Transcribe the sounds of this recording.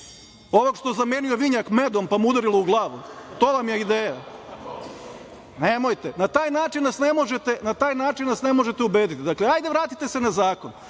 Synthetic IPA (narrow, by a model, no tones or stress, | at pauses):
oʋokʃt̪ozameːnijo̞ʋiɲakme̞d̪o̞mpamud̪aɾilˠouɡlˠaːʋut̪o̞ʋamjeid̪eːja | nemo̞jt̪enat̪aːjnaːt͡ʃinnasnemo̞ʒet̪e̞nat̪aːjnaːt͡ʃinʋasne̞mo̞ʒet̪eubeːd̪it̪id̪akleajd̪eʋɾaːt̪it̪ese̞nazaːkon